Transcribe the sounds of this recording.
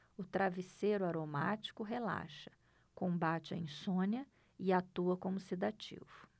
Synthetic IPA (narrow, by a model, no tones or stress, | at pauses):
ʊt̪ɾavisejɾʊaɾomat͡ʃi̥kʊɦela̰ʃɐ̥ | kõmbat͡ʃɪɐ̰ĩsõnɐ | ɪat̪uɐkõmʊsid̪at͡ʃḭvʊ